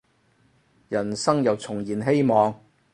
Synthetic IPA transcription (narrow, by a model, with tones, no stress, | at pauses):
jɐ˨˩nsɐ˥ŋjɐ˨wt͡sʰʊ˨˩ŋjiː˨˩nɦe˥jmɔː˨˧ŋ